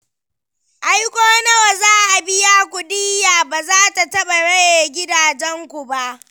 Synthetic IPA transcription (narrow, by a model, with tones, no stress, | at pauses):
ʔa˦jkʷoː˦nɐ˦wa˨zaː˦ʔa˨bɪ˦jaː˦kʷʊ˨diː˦jaː˨baː˨zaː˦ta˨tɐ˦ɓa˨ɽɐ˦jeː˨ɡʲɪ˦daː˨d͡ʒɛ˦ŋkʷu˨ba˦ʔ